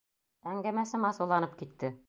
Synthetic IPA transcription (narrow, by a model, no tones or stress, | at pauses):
æŋɡæmæsɘmɑsulˠɑnɤp̚kit̪ːɘ